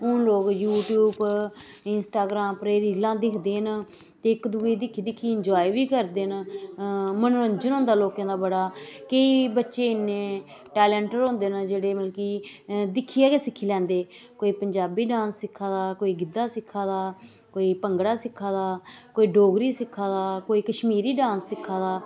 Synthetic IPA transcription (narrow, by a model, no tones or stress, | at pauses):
ʊnloːkjuːʈjuːb | ɪnsʈaːɡɾãːmpɾeːɾiːlãːd̪ɪkʰd̪eːn | t̪eːɪkd̪uːiːd̪ɪkʰːiːd̪ɪkʰːiːɪɲd͡ʒɔːiʋiːkəɾd̪eːn | mənːɾəɲd͡ʒənɦʊ̃nd̪aːloːkãːd̪aːbəɽaːkəiːbətːʃeːɪnːẽː | ʈɛːlɛ̃ːɳʈəɾɦõːnd̪eːnd͡ʒeːɽeːməlkiːd̪ɪkʰːiːaːɡeːsɪkʰːiːlɛ̃ːnd̪eː | koːiːpəɲd͡ʒaːbiːɖãːsːɪkʰːãːd̪aːkoːiːɡɪd̪ːaːsɪkʰːãːd̪aː | koːiːpəŋɡɽaːsɪkʰːãːd̪aːkoːiːɖoːɡɾiːsɪkʰːaːd̪aːkoːiːkəʃmiːɾiːɖãːnsːɪkʰːãːd̪aː